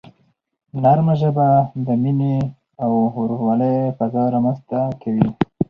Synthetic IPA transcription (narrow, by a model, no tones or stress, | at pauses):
naɾmaʒəbad̪əmine | awɾwɑləjfazɑɾamənzt̪akʰawi